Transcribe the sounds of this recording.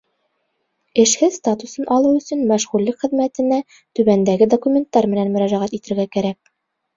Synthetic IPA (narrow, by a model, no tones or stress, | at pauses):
ɘ̆ʃhɘðst̪at̪usɤnʔɒlˠɤwɵ̆sɵnmæʃʁulɘkχɘ̆ðmæt̪ɘ̆næ | t̪ʉbænd̪æɡɘd̪okumʲe̞nt̪ːɑɾmɘ̆nænmɵ̆ɾæʒæʁæt̪it̪ɘ̆ɾɡækæɾæk̚